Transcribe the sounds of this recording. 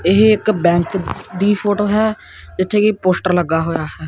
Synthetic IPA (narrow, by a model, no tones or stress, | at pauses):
ɪɦeɪkbɛ̃ːŋkd̪iːpʰoːʈoːɦɛː | d͡ʒɪt̪ʰːeːkiːpoːsʈəɾləɡːaːɦoːjaːhɛː